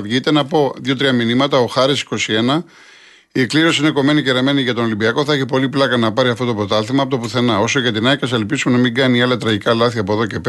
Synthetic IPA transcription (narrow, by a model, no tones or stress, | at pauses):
vʝit̪e̞nɐpo̞ðʝot̪ɾiɐminimɐt̪ɐo̞xɐɾisi̥ko̞sie̞nɐ | ikliɾo̞siine̞ko̞me̞niceɾɐme̞niʝɐt̪o̞nolimbiɐko̞θɐeçipo̞liplɐkɐnɐpɐɾiɐft̪o̞t̪o̞pɾo̞t̪ɐlθimɐpot̪opuθe̞nɐo̞so̞ʝɐt̪inɐikɐsɐlpisumenɐmiŋɡɐniɐlɐt̪ɾɐʝikɐlɐθiɐpoðo̞ce̞pe